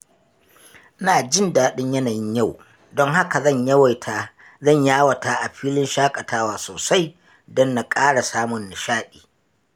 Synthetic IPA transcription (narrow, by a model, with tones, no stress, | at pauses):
naː˨d͡ʒɪ˦ndaː˨ɗɪ˦ɲjɐ˦naː˨jɪ˦ɲja˦˨w | dɔ˦ŋha˦ka˨zɐ˦˨ɲjɐ˦wa˨jtʰaː˨ | zɐ˦˨ɲjaː˦wɐ˨taː˦ʔa˨ɸiː˦lɪ˦nʃaː˦kʼɐ˨taː˦waː˨soː˨sa˦j | dɔ˦nːa˨kʼaː˦ɽa˨saː˦mʊ˨nːa˨ʃaː˦ɗiː˨